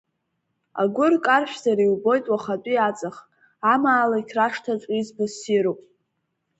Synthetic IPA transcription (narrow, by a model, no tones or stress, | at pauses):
a̰ɡʷʊrkʼarʃʷᶣzaɾiwbo̞jtʼwaχat͡pʷʼiat͡sʼaχ | amaːlaikʲʰraʂtʰat͡sʷʼizbasiɾupʼ